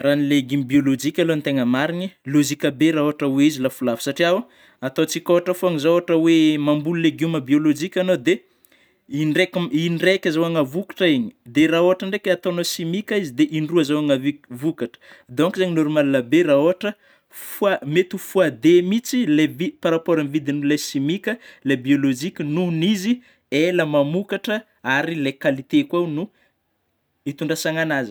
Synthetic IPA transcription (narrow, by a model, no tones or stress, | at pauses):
ranileɡumbiolod͡ʒikʲalont̪eŋəmaɾinilozikʲabeɾaoaʈ͡ʂəweizilafulavisaʈ͡ʂiawa | at̪ot͡sikoaʈ͡ʂəfoaŋizawoaʈ͡ʂəwemambululeɡuməbiolod͡ʒikʲanod̪e | inrekinrekʲazawaŋəvukḁʈ͡ʂaiɲi̥d̪eraoɦaʈ͡ʂəɳɖ͡ʐekʲat̪oanosimikʲaizid̪eʔinruəzawaŋəvivukaʈ͡ʂə̥ | d̪oŋkizaɲinoɾumalanəberaoɦaʈ͡ʂə | fuamet̪ufuad̪emit͡silevipaɾapoɾamvid̪inulasimikʲəlabiolod͡ʒikʲənunizi | eləmamukaʈ͡ʂə | aɾilekalit̪ekwawnu | it̪uɳɖ͡ʐasaŋanazi̥